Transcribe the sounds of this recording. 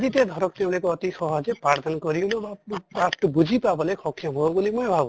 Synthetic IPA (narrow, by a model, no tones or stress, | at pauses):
d̪it̪ed̪ʱɔɾɔk̚t̪ew̃ɽekɔɔt̪isɔɦɔd͡ʒepɾaɾd̪ʰʱɔnkɔɾiblobapaʈbud͡ʒʱipabɔlekʰɔkʰːjɔɦobulimojebʱabu